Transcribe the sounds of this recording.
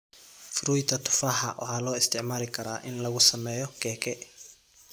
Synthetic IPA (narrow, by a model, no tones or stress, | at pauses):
fʊɾuːjt̪ʰɐt̪ʰʊ̥fɐɦɐ̰wʔɑ̰ħaːlɔːɪst̪ʰɪʕmaːlɪkʰɐɾa̰ːʔɪnlɐɣʊsɐmɛːjɔkʰɛːkʰɛ